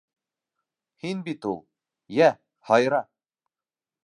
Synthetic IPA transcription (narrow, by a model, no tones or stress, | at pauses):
hinbit̪ulˠ | jæ | hɑjɾɑ